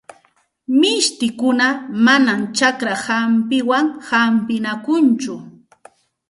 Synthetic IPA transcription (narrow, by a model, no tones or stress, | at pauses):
mɪʃt̪ɪkʊnamanamt͡ʃakɾahampɪwaŋhampɪnakʊnt͡ʃʊ